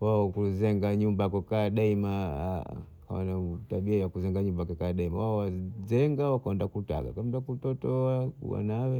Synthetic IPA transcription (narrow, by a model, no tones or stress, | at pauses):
waɔkuzɛŋɡaɲumbakukaːɗaima̰ | kaɔ̰nataɓiajakuzɛŋɡaɲumbakakaːɗaimawaɔwazɛŋɡawakaɔndakuta̰ɡa̰kamdakutɔtɔa̰wa̰nawɛ